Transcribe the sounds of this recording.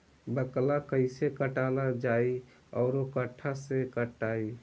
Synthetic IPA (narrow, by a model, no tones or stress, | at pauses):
bəklakəɪsekəʈalad͡ʒaːi | ɔːɾokəʈʰːasekəʈaːi